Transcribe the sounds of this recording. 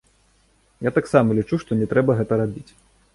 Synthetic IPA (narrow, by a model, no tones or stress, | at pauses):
jat̪aksamɐlʲit͡ʂuʂt̪ɔnʲɛt̪ɾɛbɐɣɛt̪ɐɾabʲit͡sʲ